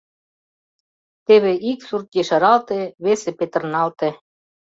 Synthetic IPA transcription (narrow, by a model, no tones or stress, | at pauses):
t̪eβeʔiksurt̪̚ɡeʃɑɾɑlt̪eβesĕpet̪ə̆rnɑlt̪e